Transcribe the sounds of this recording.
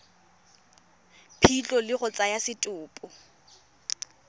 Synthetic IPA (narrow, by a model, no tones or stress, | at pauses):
pʰit͡ɬʼɔlɪɣʊt͡sʼajasɪtʼʊːpʼʊ